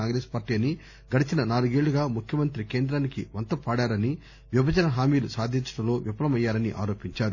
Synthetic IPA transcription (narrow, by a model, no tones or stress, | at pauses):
aːŋɡɾe̞ːspaːɾʈiːɐni | ɡɐɽit͡ʃinɐnaːluɡe̞ːɭːuɡaːmukʰjɐmɐnt̪ɾike̞ːnd̪ɾaːnikiʋɐnt̪ɐpaːɽaːɾɐni | ʋibʱɐd͡ʒɐnɐɦaːmiːlusaːd̪ʱiɲt͡ʃɐ̥ʈɐlo̞ːʋipɐlɐmɐjːaːɾɐniʔa̰ːɾo̞ːpiɲt͡ʃaːɾu